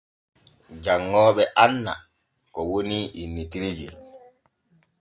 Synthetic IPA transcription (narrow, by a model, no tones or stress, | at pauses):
d͡ʒaŋːɔːɓɛʔanːa̰ | kɔwoniʔinːitiɾid͡ʒḭ